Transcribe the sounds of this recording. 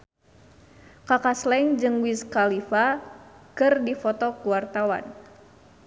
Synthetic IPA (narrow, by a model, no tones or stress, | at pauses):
kakaslɛŋd͡ʒɨŋwiskalifakɨrdifɔt̪ɔkuwart̪awa̰n